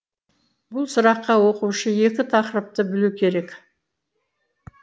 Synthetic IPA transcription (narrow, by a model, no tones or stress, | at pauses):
bʊlˠsʊɾɑqːɑwo̞quʃəje̞kʲɪt̪ʰɑqɾəp̚t̪əbɪlukʲʰe̞ɾe̞kʲ